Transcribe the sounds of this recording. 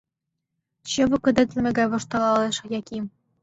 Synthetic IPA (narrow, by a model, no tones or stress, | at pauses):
ɕɤ̆βɤ̆kɘ̆d̪ɘ̆t̪lʲɘ̆mʲĕɡɑjβɤ̆ʃt̪ɑlˠɑleʃɤjɑkʲim